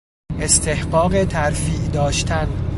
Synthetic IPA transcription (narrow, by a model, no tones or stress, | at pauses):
e̞st̪ʰe̞hɢɒːɣe̞t̪ʰæɾfiːʔd̪ɒːʃt̪ʰæn